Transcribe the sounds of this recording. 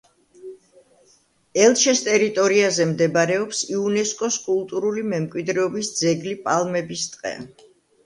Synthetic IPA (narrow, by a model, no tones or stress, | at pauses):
ɛlˠt͡ʃʰɛst̪ʼɛɾit̪ʼɔɾiazɛmd̪ɛbaɾɛɔpsiunɛskʼɔskʼulˠt̪ʼuɾulimɛmkʼwid̪ɾɛɔbisd̪zɛɡlipʼalˠmɛbist̪ʼqʼɛ̰